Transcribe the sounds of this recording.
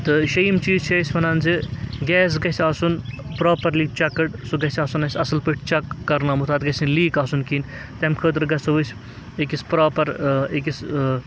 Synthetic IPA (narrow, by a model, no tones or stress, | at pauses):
t̪ɨʃɐimt͡ʃiːzt͡ʃʰɐsʲfɐnaːnziɡʲɛːs̬ɡɐsʲaːsunpɾaːpɐɾliːkt͡ʃɐkːɐʈsuɡɐsʲaːsunɐsʲɐsɐlpiʈʰt͡ʃɐkːɐɾnaːmut̪ʰaːt̪ɡɐsʲinliːkaːsunkiːn | t̪emkʰəːt̪ɾɡɐsɐʋɨsʲ | ekispɾaːpɐɾek̬is